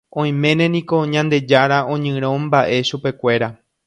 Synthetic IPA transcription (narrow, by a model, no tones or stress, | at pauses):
õ̞j̃mẽ̞nẽ̞nĩko̞ɲãnd̪e̞d͡ʒaɾaʔõ̞ɲɨ̃ɾ̃õ̞mbaʔe̞ʃupe̞kʷe̞ɾa